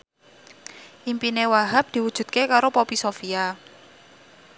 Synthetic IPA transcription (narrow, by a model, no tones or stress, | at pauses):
ʔimpinewaɦap̚d̪̥i̤wud̥ʒ̥ṳd̪̚kekaɾopopisofia